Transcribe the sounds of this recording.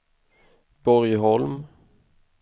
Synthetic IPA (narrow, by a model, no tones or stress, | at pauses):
b̥ɔɾjɦɔlm